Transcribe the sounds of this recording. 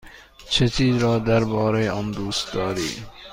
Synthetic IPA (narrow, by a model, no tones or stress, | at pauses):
ʃʰet͡ʃiːzɾɔːd̪aɾbɔːɾeɔmd̪uːst̪̚d̪ɔːɾḭː